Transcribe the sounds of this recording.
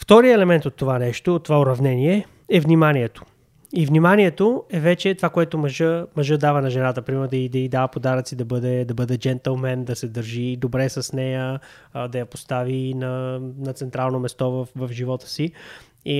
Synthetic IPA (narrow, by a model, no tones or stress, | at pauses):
ft̪ɔɾiəɛlɛmɛnt̪ot̪ːovanɛʃt̪oːt̪ːovaʊɾɐvnɛniɛ | ɛvnimaniɛt̪o̥ | ivnimaniɛt̪oɛvɛt͡ʃɛt̪ovakoɛt̪omɐʒəmɐʒɤd̪avənɐʒɛnat̪əpɾimɛɾd̪ɐid̪ɐid̪avəpod̪aɾət̪sid̪ɐbɤd̪ɛd̪ɐbɤd̪ɛd͡ʒɛnt̪əlˠmɛnd̪ɐsɛd̪əɾʒid̪obɾɛsɐsnɛjə | d̪ɐjɐpost̪avinɐnɐt̪sɛnt̪ɾalˠnomɛst̪ɔvəfvɐfʒivɔt̪ə̥si | i